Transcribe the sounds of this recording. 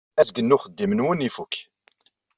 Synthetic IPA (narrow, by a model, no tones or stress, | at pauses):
æsɡənːuχəd̪ːimənwənifuk